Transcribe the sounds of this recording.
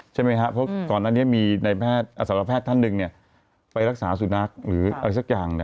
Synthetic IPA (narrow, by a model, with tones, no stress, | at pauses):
t͡ɕʰa˥˩jma˦˥jkʰa˦˥ʔpʰɾɔ˦˥kɔː˨˩nːaː˥˩ni˦˥miː˧na˧jpʰɛː˥˩t̪̚ʔa˧˩saː˨˦ɾa˧pʰɛː˥˩t̪ʰːa˥˩nːɯ˧ŋni˥˩ɐ | pa˧jɾa˦˥k̚saː˩˦su˨˩na˦˥k̚ɾɯː˩˦ʔa˧ɾa˧jsa˦˥k̚jaː˨˩ŋni˥˩